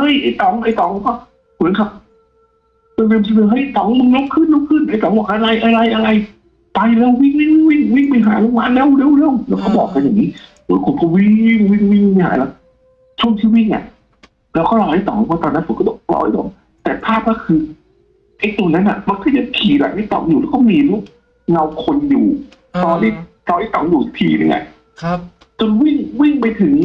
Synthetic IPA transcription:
hɤ˧˩˨jʔa˧˩t̪ɔ˨˦ŋʔa˧jt̪ɔ˨˦ŋkɔː˧˩ | kʰu˨˦ŋkʰa˦˥p̚ | tːnle˧˨msʰi˧lɯː˧˩ɦa˧˩˨jt̪ɔː˨˦ŋmɯ˧ŋlo˦˥p̚kʰɯ˧˥˨nlo˦˧˥p̚kʰɯ˧˥˩nʔa˧˩jt̪ɔː˨˦ŋwɔː˧˩ʔha˧la˧jʔa˧˨ɾa˧jʔa˧ɾa˧j | t̪a˧jlɛ˧˥˩wwi˧˩˨ŋwi˧˩ŋ˧wi˧˩ŋ˧wi˧˥˩ŋma˧˩jɦaː˨˦lo˧˥˩ŋ̚maː˧˥lɛː˧˩˨wle˧˥˨wlɛ˧˩˨wlɛː˧˦˥wkʰɔː˧˥˩bɔː˨˩k̚ka˧ja˨˩ŋiː˦˥ | moː˨˦kʰo˨˦kʰo˧wi˧˥˩ŋ˧˩˧wi˧˩ŋ˧wi˧˩ŋm˧˩haː˨˦la˧˥ | t͡ɕʰu˥˩əŋt̪ʰiː˥˩wi˥˩ŋʔa̰˨˩ʔ | lɛː˦˥wkɔː˥˩lɔː˧˦ha˥˩t̪ɔ̰˨˦ŋ˧˩pʰɔː˧˥˩t̪ɔː˧nːa˦˥fkɔ˥˩ɔ˧˦lɔ̰ː˧ʔa˦˩t̪ɔ̰˨˩˦ | t̪ɛː˨˩pʰaː˥˩p̚naː˥˩kʰɯː˧ | ʔa˧˩t̪u˧˨na˦˥nʔa̰˨˩ma˧nkʰɔː˥˩ja˧kʰiː˨˩la̰˨˩˦ma˥˩jt̪ɔ̰˨˩˦ŋjuː˨˩lɛː˦˥kɔː˥˩miː˧lu˦˥˩k̚ | ŋa˧wkʰo˧njuː˨˩ | lɔː˧nda˧˥˩ | lɔː˧ʔa˥˩jt̪ɔ̰˨˦ŋjuː˨˩t̪ʰiː˧na̰˧˩ʔa̰˧˩ | t͡ɕo˧nwi˥˩ŋwi˥˩ŋpa˧jt̪ʰɯ˨˩˦ŋ

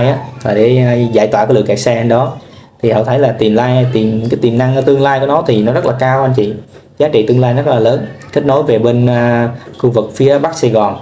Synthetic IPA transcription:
jʔaː˨˦˥laː˨˩ɗḛ˧˩˧za̰˧˩jt̪waː˧˨kːlɨ̰˨˩əka˨˩k̚sɛ˧ʔə˧nɗɔ˨˦t̪ʰi˨˩hɔ̰˧˨t̪ʰə˨˦jlaː˨˩t̪i˨˩mlaː˧jt̪i˨˩mkaː˨˦jt̪i˨˩mna˧ŋː˧t̪ɨ˧əŋlaː˧jkɔ˨˦nɔ˨˦t̪ʰi˨˩nɔ˨˦zə˦˥laː˨˩kaː˧wʔa˧nt͡ɕḭ˧˨ | zaː˨˦t͡ɕḭ˧˨t̪ɨ˧əŋlaː˧jzə˦˥t̚laː˨˩ləː˨˦nt̪ʰi˦˥k̚no˨˦jve˨˩ɓe˧nː˧xu˧vɨ˨˩k̚fi˨˦əɓaː˦˥k̚sɛ˧ɣɔ˨˩n

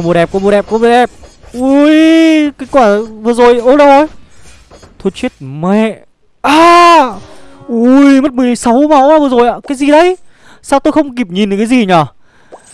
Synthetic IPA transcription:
ɓo˨˩ɗɛ˨˩p̚kɓo˨˩ɗɛ˨˩p̚kɓo˨˩ɗɛ˨˩p̚ʔu˧˦jkaː˧˦kwaː˧˩vɨ˨əzo˨˩jʔo˧˦ɗə˧˦o˧˩j | t̪ʰo˧˩t͡ɕwi˦˥t̚me˧˨ | ʔaː˧˩ | ʔu˧˩jmə˦˥t̚mɨ˨əlsa˨˦wma˨˦waː˧˩vɨ˨˩zo˨˩jʔa̰ː˧˨kaː˨˦jzi˨˩ɗə˧j | saː˧wt̪o˧jxə˧wŋ͡mk̬i˨˩p̚ɲi˨˩nɗɨ˨˩kaː˨˦zi˨˩ɲaː˨˩

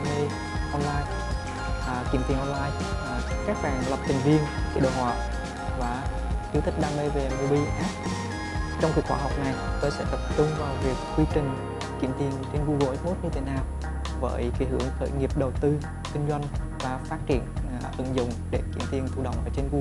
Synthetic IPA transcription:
me˧ | ʔɔ˧nlaː˧j | kḭ˧˩əmt̪i˧əŋʔɔ˧nlaː˧j | kaː˦˥k̚ɓaː˨˩ŋlə˨˩p̚t̪ʰï˨˩ŋ̟vi˧ənkḭ˧˦ɗo̰ː˧˨ha̰ː˧˨ | vaː˨˩ | ki˧wt̪ʰï˦˥k̚ɗaː˧me˧ve˨˩mu˧ɓi˧ʔaː˦˥t̚ | t͡ɕɔ˧wŋ͡mku˨˩əkxwaː˧˦ɦa˨˩wk͡p̚na˨˩jt̪oː˧jsɛ̰˧˥t̪ə˨˩p̚t͡ɕʊ˧ŋ͡mvaː˨˩wvi˨˩əkːwi˧t͡ɕï˨˩ŋ̟ | kḭ˧˩əmt̪ʰi˧˩ənt͡ɕe˧nvu˧ɣo˨˧˩ʔe˦˥t̚mo˦˥t̚ɲɨ˧t̪ʰe˨˦naː˨˩w | və̰ː˧˨˦jki˨˦hɨ˧˩əŋxə̰ː˧˩jŋi˨˩əp̚ɗə˨˩wt̪ɨ˧ | kï˧ŋ̟zwa˧jŋ̟ | vaː˨˩faː˦˥t̚t͡ɕḭ˧˨ən | hɨ̰˧˩əŋzʊ̰˧˨ŋ͡mɗe˧˩kḭ˧˩əmt̪i˧əŋt̪ʰu˧ɗə̰˧˨wŋ͡mʔəː˧˩t͡ɕe˧nvu˧

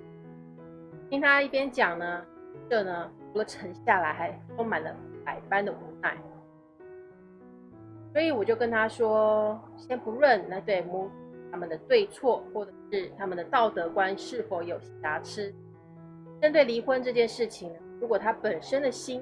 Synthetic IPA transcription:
t̪ʰi˥ŋt̪ʰa˥i˥˩pjɛ˥nt͡ɕjɑ˨˩ŋnə˦ʈ͡ʂɤ˥˩nə˩ʈ͡ʂʰu˧˥lə˨ʈ͡ʂʰə˧˥ŋɕja˥˩la˧˥ɪxa˧˥ɪʈ͡ʂo˥ŋma˨˩nlə˦pa˨˩ɪpa˥nd̪ə˨u˧˥na˨˩ɪ | swɔ˧˥i˧˥wɔ˨˩t͡ɕjo˥˩ʊkə˥nt̪ʰa˥ʂwɔ˥ɕjɛ˥npu˧˥ɻə˥˩nna˧˥ɪt̪we˥˩ɪmu˥t̪ʰa˥mə˨nd̪ə˩t̪we˥˧ɪt͡sʰwɔ˥˧xwɔ˥˩ʈ͡ʂɤ̥˨˩ʂɻ̩˥˩t̪ʰa˥mə˨nd̪ə˩t̪ɑ˥˩ʊt̪ɤ˧˥kwa˥nʂɻ̩˥˩fo˧˥ʊjo˨˩ʊɕi˧˨˩t̪a˧˥ʈ͡ʂʰɻ̩˥ | ʈ͡ʂə˥nt̪we˥˩ɪli˧˥xwə˥nʈ͡ʂɤ˥˧t͡ɕjɛ˥˧nʂɻ̩˥˩t͡ɕʰi˨˩ŋnə˦ɻu˧˥kwɔ˨˩t̪ʰa˥pə˨˩nʂə˥nd̪ə˨ɕi˥n

